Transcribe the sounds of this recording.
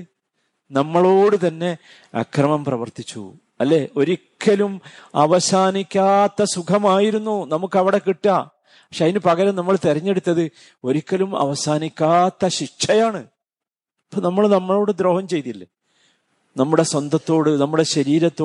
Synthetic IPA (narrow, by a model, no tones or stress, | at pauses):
nɐmːɐɭo̞ːɽɨt̪ɐnːe̞ | ɐ̰krɐmɐmprɐʋɐrt̪it͡ɕːṵ | ɐlːe̞ːʔo̞ɾikʲːɐlumɐʋɐsaːnikʲːaːt̪ːɐsukʰɐmaːjiɾunːunɐmukːɐʋiɽe̞kiʈːa | ɐkʂeɐðinɨpɐɣɐɾɐmnɐmːɐɭt̪erɐɲːe̞ɽut̪ːɐðɨ | o̞ɾikʲːɐlumɐ̰ʋɐsaːnikʲːaːt̪ːɐɕiʂʂɐjaːɳɨ | ɐpːonɐmːɐɭnɐmːɐɭo̞ːɽɨd̪ɾo̞ːhɐmt͡ɕe̞jt̪ilːɐ | nɐmːuɽeswɐnd̪ʱɐt̪ːo̞ːɽɨnɐmːuɽe̞ɕɐɾiːɾɐt̪ːoː